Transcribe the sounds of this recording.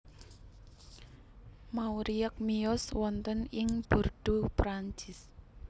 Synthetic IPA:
mauɾiək̚miɔswɔnt̪ənɪŋb̥urɖ̪̥upɾaɲt͡ʃɪs

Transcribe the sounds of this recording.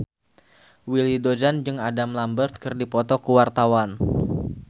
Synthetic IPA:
wilidod͡ʒand͡ʒɨŋadamlambərt̪̚kɨrdipɔt̪ɔkuwart̪awan

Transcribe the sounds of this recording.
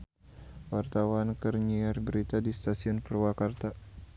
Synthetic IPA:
wart̪awankərɲiarbəɾit̪adist̪asiɔnpərwakart̪a

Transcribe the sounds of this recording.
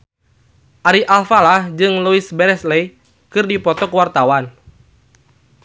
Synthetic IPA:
ʔaɾiʔalfalahd͡ʒɨŋluisbɛɾɛslɛj | kɨrdipɔt̪ɔkəwart̪awan

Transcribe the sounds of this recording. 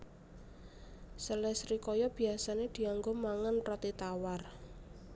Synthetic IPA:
səlɛsɾikɔjɔb̥i̤asaned̪̥i̤aŋɡomaŋanrɔt̪it̪awar

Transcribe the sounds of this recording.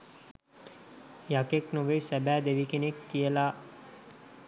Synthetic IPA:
jakeknoʋesæbæːd̪eʋikenekːijəlaː

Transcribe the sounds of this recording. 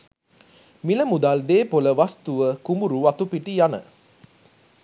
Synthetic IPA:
miləmud̪ald̪eːpoləʋast̪uʋəkumuɾuʋat̪upiʈijanə̰

